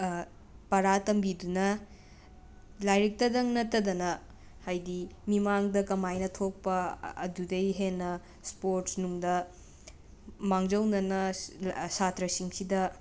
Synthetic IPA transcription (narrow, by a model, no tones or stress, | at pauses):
pɐɾatɐmbidunɐ | lajɾik̚tɐdɐŋnɐtːɐdɐnɐ | hajdimimaŋdɐkɐmajnɐtʰok̚pɐːdudejɦenːɐ | spoɾsnuŋdɐ | maŋd͡ʒɐwnɐnɐsatɾɐsiŋsidɐ